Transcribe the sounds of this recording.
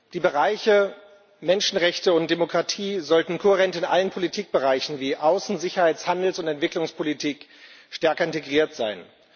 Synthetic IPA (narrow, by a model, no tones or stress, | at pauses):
d̥iːbəʁaɪçə | mɛnʃn̩ʁɛçtəʊntd̥emokʁ̥atʰiːzɔltn̩kʰoheʁɛntɪnʔa̰lənpʰolitʰiːk̚b̥əʁaɪçn̩viːʔaʊsn̩zɪçɐhaɪt͡shandl̩sʊntɛntv̥ɪklʊŋspʰolitʰiːk | ʃtɛɐkɐɪnteɡʁiːɐtz̥a̰ɪn